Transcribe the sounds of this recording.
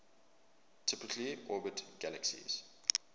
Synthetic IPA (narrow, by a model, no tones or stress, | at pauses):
tʰɪpɪkʰliʔɔːbətɡ̥æləksḭz̥